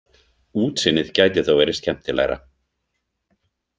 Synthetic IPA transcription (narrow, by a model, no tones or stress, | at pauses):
uːt̪sɪnːɪðcaːjt̪ɪθowvɛɾɪscʰɛm̥t̪ɪla̰ːjɾa̰